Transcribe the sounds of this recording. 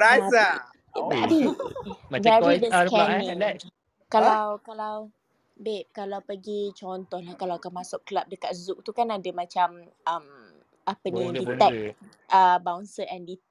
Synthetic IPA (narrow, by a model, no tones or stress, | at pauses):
ɾasa | abi | avɛdəakɛaiɛ | kalawkalaw | beʔ̚kalawpəɡit͡ʃɔnt̪ɔhlahkalawakanmãsʊkkəlap̚dəkat̪̚zuk̚t̪ukanadamãt͡ʃam | əm | apənĩdit̪ɛk̚ | əbawnsəʔɛndi